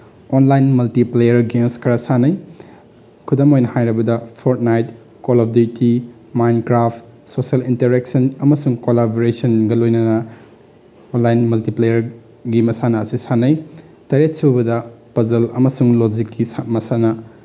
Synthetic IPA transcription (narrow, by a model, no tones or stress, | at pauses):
onlajnmɐltiplejɐɾɡemskʰɐɾɐsanɐj | kʰudomojnɐhajɾɐbɐdɐpʰoɾt̚najt̚ | kolab̚diti | majnkɾaptsoselinteɾek̚sɐnɐmɐsuŋkolaboɾesɐnɡɐlojnɐnɐ | onlajnmɐltiplejɐɾ | ɡimɐsanɐːsisanɐj | tɐɾet̚suwbɐdɐpɐzɐlɐ̰mɐsuŋlozikːismɐsanɐ